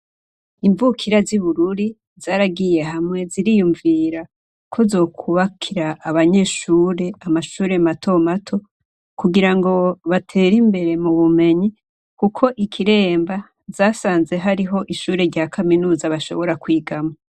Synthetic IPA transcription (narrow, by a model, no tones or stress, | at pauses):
iɱvukʰiɾaziβuɾuɾi | zaːɾaɡije̞ɦamŋe̞ziɾijuɱviɾa | kʰozo̞ːkʰuβakʰiɾaːβaɲe̞ʃuːɾe̞amaʃuːɾe̞matʰo̞matʰo̞ | kuɡiɾaŋɡo̞βatʰe̞ːɾimbe̞ɾe̞muβume̞ɲi | kukʰo̞ʔikʰiɾe̞ːmba | zaːsaːnze̞ɦaɾiɦo̞ʔiʃuːɾe̞ɾɟaːkʰaminuːzaβaʃo̞̰βo̞ɾakwiːɡama